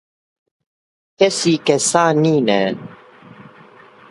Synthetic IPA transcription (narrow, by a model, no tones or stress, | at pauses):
kɛsikɛsaːniːnɛ̰n